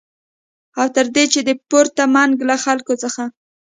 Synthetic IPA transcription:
awt̪əɾd̪et͡ʃed̪əpoɾt̪amaŋɡlaxalkot͡səxa

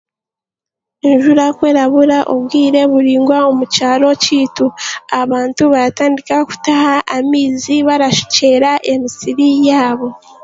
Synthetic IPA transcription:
eɲʒuɾakwe̞ːɾaβuɾaʔoβɡiːɾe̞βuɾiːŋɡwaomucaːɾo̞ciːtuaβaːntuβaɾataːndikaku̥tahaʔːmiːziβaɾaʃi̥ce̞ɾaʔe̞misiɾijaːβo̞

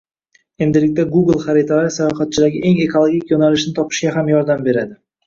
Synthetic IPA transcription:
e̞nd̪ɪlɪk̚ʲt̪aɡuɡl̩ˠχaɾɪt̪ʰalaɾɪsajɒχat̪̚t͡ʃʰɪd̪aɡʲɪʔe̞ŋe̞kolˠoɡʲikʲjonalɪʃnɪt̪ʰɒpɪ̥ʃɡʲaɦamjɒɾd̪ambe̞ɾad̪ɪ

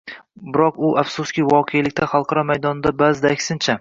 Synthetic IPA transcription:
bɪɾɒqʊʔafsʊskʲɪvɒqʰejalɪkʲt̪ʰaχɑlˠqʰɑɾɒmajd̪ɒnɪd̪abazɪd̪aːkʲsɪnt͡ʃʰa

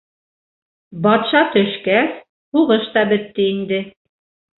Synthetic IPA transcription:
bɑt̪ʃɑt̪ɵ̆ʃkæs | huʁɤʃt̪ɑbɘ̆t̪ːɘind̪ɘ

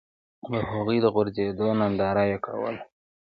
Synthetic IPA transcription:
ləhaɣujd̪əɣʊɾzed̪onand̪ɑɾajeka̰wə̰l

